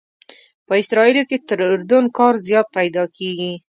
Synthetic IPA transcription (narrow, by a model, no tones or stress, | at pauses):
pəɪsɾɑiloket̪əɾʊɾd̪ʊnkɑɾzjɑt̪̚pajd̪ɑkeɡi